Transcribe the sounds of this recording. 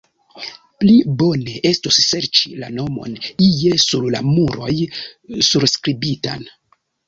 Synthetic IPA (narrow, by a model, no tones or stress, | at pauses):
plibo̞ne̞ʔe̞stusːe̞ɾt͡ʃila̰no̞mo̞̰nije̞suɾla̰muɾo̞̰jsuɾskɾibita̰n